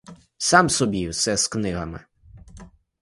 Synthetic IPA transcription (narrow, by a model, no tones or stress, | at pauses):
sɑmsɔbʲiwsɛsknɪɦɐmɪ̰